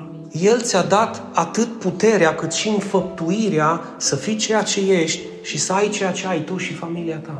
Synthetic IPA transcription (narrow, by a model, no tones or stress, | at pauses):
je̞lt̪sʲad̪at̪ | at̪ɨt̪̚put̪e̞ɾeakɨt̪ʃiɨnfəp̚t̪uiɾea | səfit͡ʃe̞jat͡ʃe̞je̞ʃt̪ʲ | ʃisəajt͡ʃe̞jat͡ʃe̞ajt̪uʃifamiliat̪a